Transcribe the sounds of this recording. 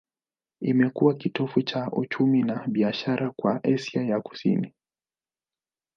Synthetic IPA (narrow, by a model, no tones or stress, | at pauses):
imɛkuwakitɔfut͡ʃaʔṵt͡ʃuminaɓiaʃaɾakwa̰ʔɛsjajaku̥sḭni